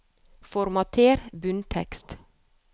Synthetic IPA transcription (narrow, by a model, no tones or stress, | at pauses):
fɔɾmɑt̪ʰeːɾbʉnt̪ʰɛ̰kst̪